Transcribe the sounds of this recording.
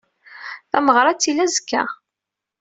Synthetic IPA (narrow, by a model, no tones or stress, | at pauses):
θæməʁɾˤɑt͡sːilːæzəkːæ̰